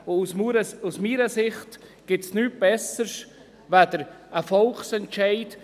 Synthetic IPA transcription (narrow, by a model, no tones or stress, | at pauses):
ʊusmuɾəusmiːɾəsɪχt | ɡ̥ɪtsnyːt̚b̥ɛsəs | vad̪əɾ | əfɔlχsɛntt͡ʃaɪt